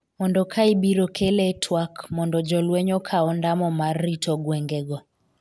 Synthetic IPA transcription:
mɔndɔkʰaibiɾɔkʰeletʰwakmɔndɔd͡ʒɔlwɛɲɔkʰaɔndamɔmarːitʰɔɡwɛŋɡɛɡɔ

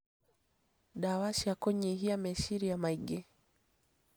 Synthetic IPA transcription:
ɗawaʃiakɔɲiɦiamɛʃiɾijamaiɡɛ

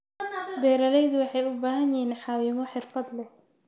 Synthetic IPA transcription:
bɛːɾɐlɛjðʊwɑħɑjʊbaːɦɐnjɪinħɑːwɪmɔħɪrfɐd̪lɛ

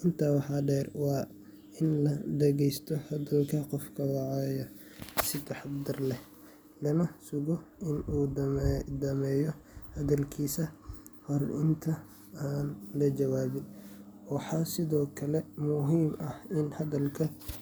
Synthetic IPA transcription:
ʔɪnt̪ʰaːwɑħɑɖɛːrwɑː | ɪnlɐd̪ɐɣɛjst̪ʰɔhɐðɐlkʰɐqɔfkʰɐwɑʕɑjɐ | sɪd̪ɐħɑbd̪ɐrlɛ | lɐnɐsʊɣɔʔɪnuːdd̪ɐmɛːjɔhɐðɐlkʰiːsɐ | hɔrɪ̰nt̪ʰɐ | aːnlɐt͡ʃɐwaːβɪnwɑħɑːsɪðɔːkʰɐlɛmʊɦiːmɐhɪnhɐðɐlkʰɐ

